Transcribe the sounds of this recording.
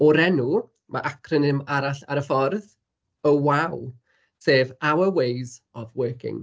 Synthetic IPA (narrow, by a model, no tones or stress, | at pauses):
ɔɾɛnu | mʔa̰ʔakʰrənɨmaɾaɬaɾəfɔrð | əwaw | seːvawəwejzɔvwɜːkʰɪ̰ŋ